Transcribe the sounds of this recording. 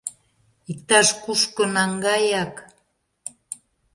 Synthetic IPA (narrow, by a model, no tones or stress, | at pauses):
ik̚t̪ɑʃkuʃkɤ̆nɑŋɡɑjɑk